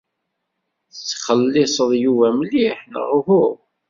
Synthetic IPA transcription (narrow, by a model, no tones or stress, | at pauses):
θt͡sːχəlːɪsˤəðˤjuvæmliħnə̰ʁhʊʁ